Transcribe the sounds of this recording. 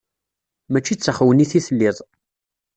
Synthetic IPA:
mæt͡ʃːit͡sːəχwəniθiθəlːɪðˤ

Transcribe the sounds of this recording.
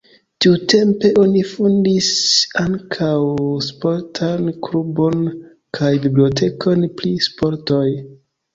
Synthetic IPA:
tiute̞mpe̞ʔo̞nifundisaŋkʰawspo̞ɾtʰanklubo̞n | kʰajbiblio̞t̬e̞kʰo̞npɾispo̞ɾto̞j

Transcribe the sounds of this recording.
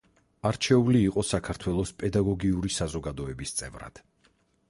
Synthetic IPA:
aɾt͡ʃʰɛuliːqʼɔsakʰaɾt̪ʰwɛlˠɔspʼɛd̪aɡɔɡiuɾisazɔɡad̪ɔɛbist̪sʼɛ̰vɾa̰d̪̥

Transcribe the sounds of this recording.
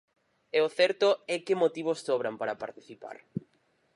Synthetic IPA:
ɛʊθɛɾt̪ʊɛkɪmot̪iβ̞osːoβɾampaɾapaɾt̪iθipa̰ɾ

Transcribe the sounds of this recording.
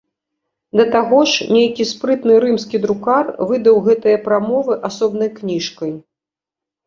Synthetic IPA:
d̪ɐt̪aɣɔʂnʲejkʲispɾɨt̪nɨɾɨmskʲid̪ɾukarvɨd̪ɐwɣɛt̪ɨjɐpɾamɔvɨʔasɔbn̪ɐjknʲiʂkɐj

